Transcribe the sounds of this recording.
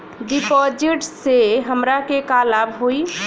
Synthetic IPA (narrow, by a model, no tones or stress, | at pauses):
ɖipɔd͡ʒiʈseɦəmɾakekalabɦoi